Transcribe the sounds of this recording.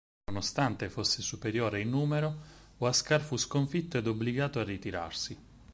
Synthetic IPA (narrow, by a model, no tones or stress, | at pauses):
onost̪ant̪efosːesupeɾjoːɾeinːuːmeɾooaskarfuskoɱfit̪ːoɛd̪obːliɡaːt̪oarːit̪iɾa̰rsi